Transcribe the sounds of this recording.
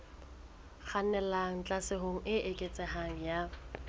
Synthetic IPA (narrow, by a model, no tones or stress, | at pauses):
k͡xʰanɛlaŋ̩t͡ɬʼasɪɦoŋ̩ʔɪʔekʼet͡sʼɛhaŋ̩ja